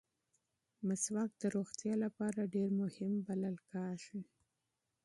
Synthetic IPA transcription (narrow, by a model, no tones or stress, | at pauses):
maswɑk̚d̪əɾoxt̪jɑlapɑɾaɖeɾmʊhɪmbalalkɑʃi